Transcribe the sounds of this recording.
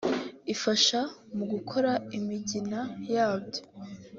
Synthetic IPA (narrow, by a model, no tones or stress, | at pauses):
ifaʃamuɡukʰo̞ɾaimiɟinajaːbɟo̞